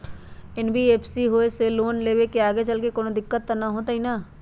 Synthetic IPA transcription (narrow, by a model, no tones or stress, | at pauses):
ɪnbʱieːpʰsiɦoːeseloːnleːwekeaːɡet͡ʃɐlkekoːnod̪ɪkːət̪ːanaɦot̪aɦina